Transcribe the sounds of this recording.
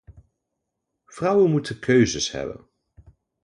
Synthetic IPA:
v̥rʌwənmutʰəkʰøɥzəshɛ̰bə̰n

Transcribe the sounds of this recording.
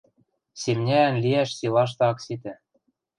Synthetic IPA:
semnʲæːnlʲiæʃsilˠɑʃ̬t̪ɤ̆ɑksit̪ɘ̆

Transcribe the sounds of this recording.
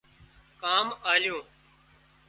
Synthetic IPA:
kaːmaːlɪjõː

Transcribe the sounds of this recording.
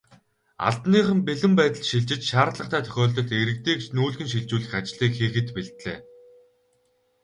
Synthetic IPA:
a̰ɮt̪niːχə̆mpeɮɘ̆mpæːt̪ə̆ɮʃiɮt͡ɕɪ̆t͡ɕʃaːɾɮə̆q̚t̪ʰæːt̪ʰœ̥xʲɔːɮt̪ɞ̆ɮt̪eɾɘ̆k̚t̪eːkt͡ɕnuːɮxɘ̆nʃ̬iɮt͡ɕuːɮɘ̆xat͡ɕɪɮiːkxiːxɘ̆t̪peɮt̪ɮḛː

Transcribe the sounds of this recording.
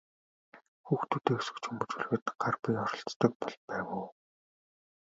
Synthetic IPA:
xuːxt̪ʰuːt̪eːu̥sɘ̥̆kt͡ɕʰɵmɵ̆t͡ɕuɮɣɘ̆ːt̪̆ɢarpiɔɾɞ̆ɬt͡st̪ə̆k̚pɔɮpæːwʊː

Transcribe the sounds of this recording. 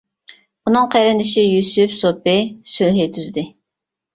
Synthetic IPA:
unɨŋqʰæjɾɪnd̪ɪʃijysypsopɪsylɦɪt̪ʰyzd̪ɪ

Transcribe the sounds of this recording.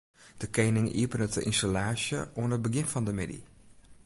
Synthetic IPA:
d̥əkejnɪŋʔḭəpənətəʔɪnstalaːsjəʔuənəbəɡɪnfɔndəmɪdḭ

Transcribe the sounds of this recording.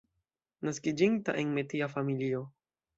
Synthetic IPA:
naskid͡ʒiŋta̰ʔeŋmetiafamilio

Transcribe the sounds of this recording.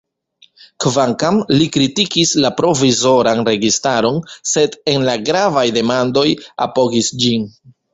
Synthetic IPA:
kvaŋkamlikɾitikislapɾo̞vizo̞ɾanɾe̞ɡistaɾo̞nse̞de̞nlaɡɾavajde̞mando̞ja̰po̞ɡisd͡ʒin

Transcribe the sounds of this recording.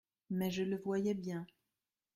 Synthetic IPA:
mɛʒələvwajɛbjɛ̃

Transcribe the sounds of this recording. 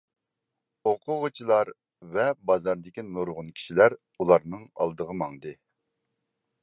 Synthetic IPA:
oqʰʊʁʊt͡ʃʰilˠɑɾ | vɛbɑzɑɾd̪ɪkʲinoɾʁʊnkʲʰi̥ʃilæɾ | ulˠɑɾnɨŋɑ̰lˠd̪əʁəmɑŋd̪ɨ

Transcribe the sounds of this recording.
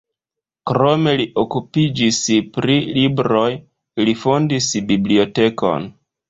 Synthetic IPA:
kɾo̞me̞liʔokupid͡ʒispɾilibɾo̞j | lifondisbiblio̞te̞ko̞̰n

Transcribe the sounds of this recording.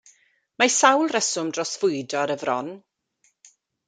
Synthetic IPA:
masawlˠrɛsʊmdrɔsvʊjdɔɾəvrɔn

